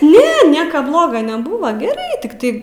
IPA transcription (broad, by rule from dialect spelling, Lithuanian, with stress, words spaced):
ˈnʲɛ ˈnʲiɛkɐ ˈblˠoːɡɐ nʲɛˈbuːʋɐ ɡʲɛˈrɐɪ tʲɪkˈtɐɪ